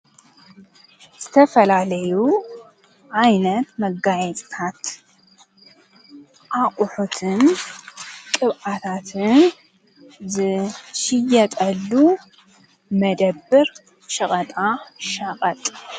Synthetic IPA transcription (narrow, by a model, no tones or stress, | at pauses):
z̥ɨt̪ʰɐfɐlalɐju | ʕajnɐt̪mɐɡajɛt͡sʼt̪ʰat̪ | ʔaʔʼʊħut̪ʰɨn | kʼɨβʔat̪ʰat̪ʰɨn | zɨʃɪjɐt̪ʼɐlːu | mɐd̪ɐbːɨɾ | ʃɐχʼɐt̪ʼaʃɐqʼɐt̪ʼ